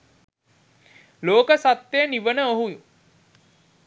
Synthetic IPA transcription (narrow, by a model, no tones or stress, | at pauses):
loːkəsat̪ːejəniʋənəoɦuju